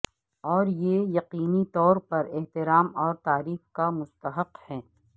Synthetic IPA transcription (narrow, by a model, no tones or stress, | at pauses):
ɔːɾjeːjɐqiːnit̪ɔːɾpɐɾeht̪ɪɾaːmɔːɾt̪aːɾiːxkamʊst̪əɦəqhɛː